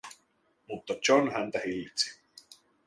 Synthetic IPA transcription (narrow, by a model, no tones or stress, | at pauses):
mut̪ːɑt͡ʃonhænt̪æhilːit̪si̥